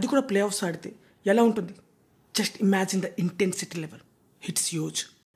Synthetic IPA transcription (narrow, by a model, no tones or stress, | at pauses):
ɐd̪ikuːɽaːplejɔːfsaːɽit̪eː | ɛlaːuɳʈund̪i | d͡ʒɐsʈimæːd͡ʒind̪ɐʔiɳʈensiʈilɛʋel | hiʈsjoːd͡ʒ